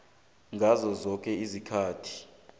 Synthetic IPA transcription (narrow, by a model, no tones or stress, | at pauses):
ŋɡʱazɔzɔk̬ʼɛizikʰaːtʰi̥